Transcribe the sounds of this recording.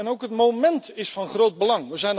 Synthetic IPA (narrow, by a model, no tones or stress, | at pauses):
ɛnowkɦətmomɛntɪsfɑnχrowt̚bəlɑŋʋəzɛjn